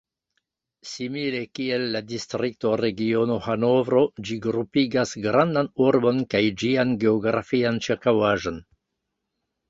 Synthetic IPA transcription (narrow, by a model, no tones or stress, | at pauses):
simile̞kielːadistɾik̚to̞ɾeɡio̞no̞hanovɾo̞d͡ʒiɡɾupiɡasɡɾandanuɾbo̞nkajd͡ʒianɡe̞oɡɾa̰fiant͡ʃiɾkawaʒo̞n